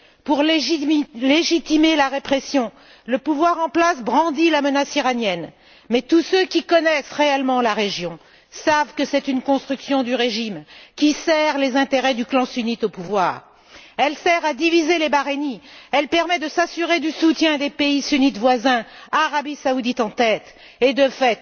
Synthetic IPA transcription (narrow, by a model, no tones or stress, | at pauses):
puʁl | leʒit̪imelaʁepχesjɔ̃ | ləpuvwaʁɑ̃plasbʁɑ̃d̪ilamənasiʁanjɛn | mɛt̪usøkʲikɔnɛsʁeɛlmɑ̃laʁeʒjɔ̃ | savkəsɛt̪ynkɔ̃st̪χyksjɔ̃d̪yʁeʒimkʲisɛʁlezɛ̃t̪eʁɛd̪yklɑ̃synit̪opuvwaːʁ | ɛlsɛʁad̪ivizelebaʁeniɛlpɛʁmɛd̪əsasyʁed̪ysut̪jɛ̃d̪epeisynit̪vwazɛ̃aʁabisaud̪it̪ɑ̃t̪ɛt̪ | ed̪əfɛt̪